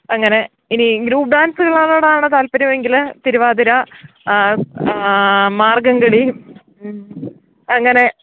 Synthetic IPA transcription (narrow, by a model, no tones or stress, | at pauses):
ɐŋːɐne̞ | iniɡɾuːpɖaːnsɨɣɐɭaːɳoːɽaːɳɨt̪aːlpɐɾɐmeŋɡilt̪iɾuʋaːd̪iɾɐ | maːrɡɐŋɡɐɭi | ɐŋːɐne̞